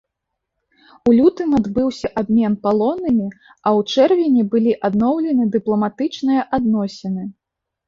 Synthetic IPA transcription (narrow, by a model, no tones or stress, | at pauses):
ulʲut̪ɨmad̪bɨwsʲɐʔabʲmʲɛnpalˠɔnːɨmʲi | ɐwt͡ʂɛrvʲɛnʲɛbɨlʲiʔad̪nɔwlʲɛnɨd̪ɨplˠɐmat̪ɨt͡ʂnɨjɐʔad̪nɔsʲɛnɨ